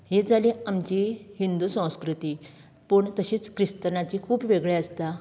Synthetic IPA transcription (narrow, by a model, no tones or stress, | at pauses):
ɦed͡zaliamt͡ɕiɦind̪usə̃w̃skɾut̪iː | pəɳt̪əɕiːt͡skɾist̪ənat͡ɕikʰuːpʋeɡɭeəst̪a